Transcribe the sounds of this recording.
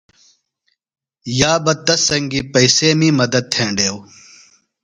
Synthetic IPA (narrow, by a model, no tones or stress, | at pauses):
jaːbɐt̪ːɐsɐŋɡiːpɐiseːmĩːmɐd̪ɐd̪̚t̪ʰẽːɳɖeːw